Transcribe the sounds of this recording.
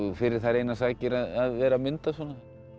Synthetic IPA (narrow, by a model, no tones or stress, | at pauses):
fɪɾɪɾ̥θaɾejnasaːcɪɾaðaðvɛːɾamʏnt̪asɔna